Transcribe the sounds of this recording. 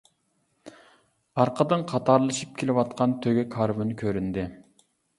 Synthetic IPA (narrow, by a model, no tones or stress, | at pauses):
ɑɾqʰəd̪ɨɴqʰɑt̪ɑɾlˠɨʃip̚kʲʰelɪwɑt̪̚qɑnt̪ʰøɡʲɛkʰɑɾvɨnkʲʰøɾynd̪ɪ